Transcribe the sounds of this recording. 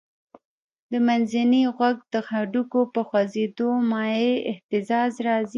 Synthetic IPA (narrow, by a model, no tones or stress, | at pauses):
d̪əmanzaniɣwaɡd̪əxaɖukopəxwazed̪omɑjeɪht̪ɪzɑzɾɑzi